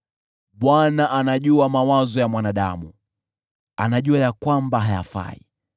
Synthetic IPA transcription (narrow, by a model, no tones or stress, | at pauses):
ɓwanaʔanaʄuamawazɔjamwanaɗa̰mṵ | a̰naʄuajakwambaɦaja̰fa̰ḭ